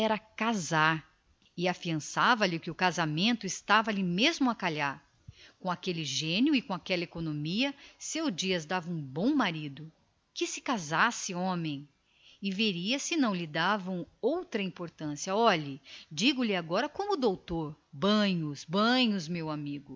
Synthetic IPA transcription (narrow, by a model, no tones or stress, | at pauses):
ɛɾɐkazaɾ | ɪafiɐ̃savɐlɪkɪʊkazamẽnt̪ʊɪst̪avɐlɪmezmʊakaʎaɾ | kõakelɪʒẽnjʊɪkõakɛlɐekonõmiɐsewd͡ʒiɐzd̪avɐ̃ũbõw̃maɾid̪ʊ | kɪsɪ̥kazasɪõmẽj̃ | ɪveɾiɐsɪnɐ̃w̃lɪd̪avɐ̃w̃owt̪ɾɐĩmpoɾt̪ɐ̃siɐɔʎɐd͡ʒiɡʊlɪaɡɔɾɐkõmʊd̪owt̪oɾbɐ̃ɲʊsbɐ̃ɲʊzmewamiɡʊ